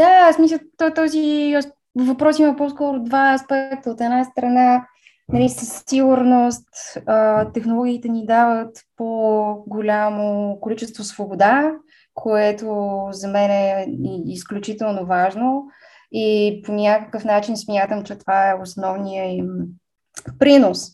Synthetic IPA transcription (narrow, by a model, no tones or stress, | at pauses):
d̪̥asmislʲət̪ɔt̪ɔzi | vɐpɾɔsimɐpɔskɔɾʊd̪vaɐspɛk̚t̪əot̪ɛnast̪ɾɐna | nɐlʲisəst̪iɡʊɾnost̪ət̪ɛxnolˠɔɡʲiːt̪ɛnid̪avət̪poɡolʲamokolit͡ʃɛst̪vosvobod̪a | kʰoɛt̪ozɐmɛnɛiisklʲut͡ʃit̪ɛlˠnovaʒno | iponʲakəkəfnat͡ʃinsmʲjat̪əmt͡ʃɛt̪ovaɛosnɔvnijəim | pɾinos